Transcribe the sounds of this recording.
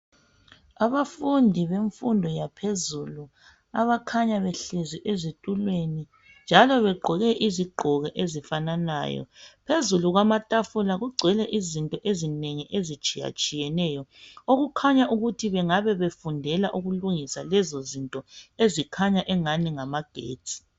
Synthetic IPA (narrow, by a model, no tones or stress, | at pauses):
aβafundʱiβeɱfundʱɔjapʰezulu | aβakʰaɲaβɛɬeziʔezitʼulweni | nd͡ʒʱalɔβɛɡ͡ǃʱɔɣɛʔiziɡ͡ǃʱɔɣɛʔezifanana̰ːjɔ̰pʰezuluɣwamatʼafulaɣuɡ͡ǀʱɛlɛʔizintʼɔʔezineŋiʔezit͡ʃʼija̰t͡ʃʼijɛnɛjɔoɣukʰaɲaʔuɣutʰiβɛŋaβɛβefundʱɛlaʔuɣuluŋisalɛzozintʼɔezikʰaɲaʔɛŋaniŋamaɡ̥ʱḛːt͡sʼi̥